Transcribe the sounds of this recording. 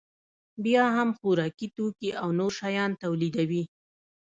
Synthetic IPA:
bjɑɦamxuɾɑkit̪okiʔawnoɾʃɑjɑnt̪awlid̪awi

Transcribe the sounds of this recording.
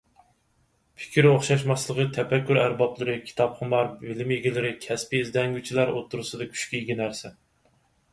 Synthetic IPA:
pʰɪ̥kʲʰiɾoχʃɑʃmɑslˠəʁət̪ʰɛpɛkʲːyɾæɾbɑplˠɨɾɨkʲʰi̥t̪ʰɑpχəmɑɾbɪlɪmjeɡʲilɪɾɪkʲʰɛspiːzd̪ɛŋɡʲyt͡ʃʰilˠæɾot̪ʰːuɾɨsɨd̪ɨkʲʰy̥ʃkʲɛjiɡʲinæɾsɛ

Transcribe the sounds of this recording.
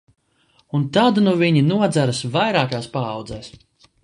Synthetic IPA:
unt̪ad̪nuviɲinuɔd̪zæɾɨsvajɾaːkaːspaːwd̪zɛːs

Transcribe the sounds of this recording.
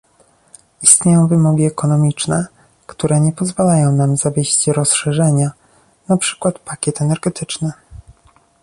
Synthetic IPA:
ist̪ɲejɔ̃w̃vɘmɔɡʲiɛkɔnɔmʲit͡ʂnɛ | kt̪uɾɛɲɛpɔzvalajɔ̃w̃namzavʲjeɕt͡ɕɾɔsʂɛʐɛɲa | napʂɘ̥kwat̪pakʲɛt̪ɛnɛɾɡɛt̪ɘt͡ʂnɘ

